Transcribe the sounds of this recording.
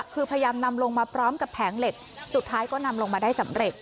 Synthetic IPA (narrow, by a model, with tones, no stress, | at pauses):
kʰɯː˧pʰa˧ja˧jaː˧mna˧mlo˧ŋmaː˧pʰɾɔː˦˥mka˨˩pʰːɛː˩˦ŋle˨˩k̚su˨˩t̪ʰːaː˦˥jkɔː˥˩na˧mlo˧ŋmaː˧daː˥˩jsa˩˦mɾe˨˩t̪̚